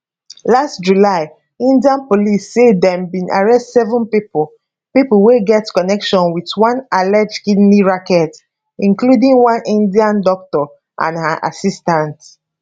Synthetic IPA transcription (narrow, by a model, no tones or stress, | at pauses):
lastd͡ʒulaɪ | ĩndiãnpolisːedɛ̃mbĩna̰ɹɛstsɛvɔ̃npipl | pipəlweɡɛtkɔnɛkʃɔ̃nwitwãnalɛd͡ʒkidniɹakɛt | ĩŋkludĩŋwãnĩndiãndɔk̚tɔ | ʔã̰naʔa̰sistãnt